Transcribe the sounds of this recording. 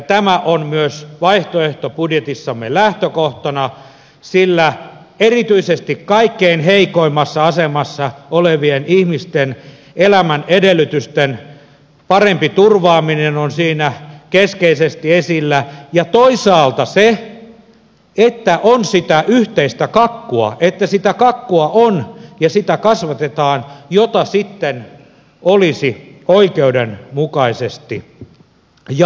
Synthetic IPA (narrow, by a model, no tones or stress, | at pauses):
t̪æmæʔonmyøsʋɑiht̪oeht̪opudjet̪isːɑmːḛlæht̪økoht̪ɑnɑ | silːæ | erit̪yisest̪ikkɑikːeinheikoimːɑsːɑɑsemɑsːɑoleʋienihmist̪en | elæmænedelːˑyt̪yst̪en | pɑrempit̪urʋɑːminenonsiːnækeskeisest̪iesilːæjɑt̪oisɑːlt̪ɑse | et̪ːæʔonsit̪æʔyht̪eist̪ækɑkːuɑ̰ʔet̪ːæsit̪ækɑkːuɑʔonjɑsit̪ækɑsʋɑt̪et̪ɑːnjot̪ɑsit̪ːen | olisioikeudenmukɑisest̪i | jɑ